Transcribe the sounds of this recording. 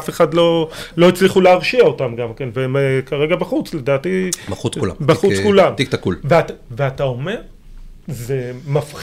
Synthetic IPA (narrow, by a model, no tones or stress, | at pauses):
afe̞χadlo̞lo̞it͡sliχuleaʁʃiao̞tamɡamke̞nveemkaʁe̞ɡabaχut͡sledaːtibɐχuklambaχut͡skulamt̪ikt̪akulveataveatao̞me̞ʁ | zemaf